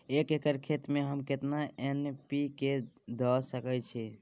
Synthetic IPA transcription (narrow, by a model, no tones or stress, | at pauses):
ekekəɾkʰet̪meɦəmket̪naʔenpiked̪əsəkɛt͡ʃʰi